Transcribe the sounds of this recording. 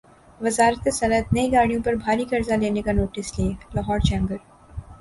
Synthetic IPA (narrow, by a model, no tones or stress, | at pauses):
ʋɐzaːɾət̪sɐnət̪nɐĩɡaːɽijõpɐɾbʱaːɾikɐɾzaleːnekanoːʈɪsleːlɐɦɔːɾt͡ʃɛ̃ːŋɡəɾ